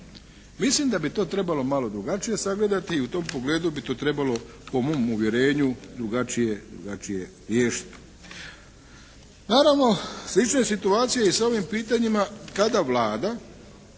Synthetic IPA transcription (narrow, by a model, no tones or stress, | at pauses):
mislimd̪abit̪o̞ːt̪ɾe̞balo̞malo̞d̪ɾuɡat͡ʃije̞saɡle̞d̪at̪iːut̪o̞ːmpo̞ɡle̞ːd̪ubit̪o̞ːt̪ɾe̞balo̞ | po̞moːmuʋje̞ɾe̞ːɲud̪ɾuɡat͡ʃije̞d̪ɾuɡat͡ʃije̞ | ɾjeːʃi̥t̪i̥ | naːɾaʋno̞slit͡ʃneesit̪uaːt̪sijeisao̞ʋimpiːt̪aɲimakad̪aʋlaːd̪a